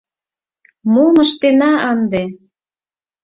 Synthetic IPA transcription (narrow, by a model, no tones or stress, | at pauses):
moməʃt̪enɑɑnd̪e